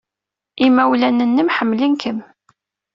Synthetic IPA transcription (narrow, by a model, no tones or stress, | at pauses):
imːæwlænənːəmħəmːlinkʰəm